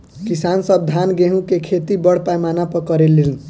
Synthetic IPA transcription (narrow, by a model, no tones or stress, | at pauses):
kisansʌb̚d̪ʱanɡeɦũkekʰet̪ibʌɽ̤pajmanapʌkʌɾeliɾn